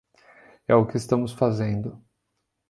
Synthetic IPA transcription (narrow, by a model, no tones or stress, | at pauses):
ɛʊkɪːst̪ɐ̃mʊsfazẽnd̪ʊ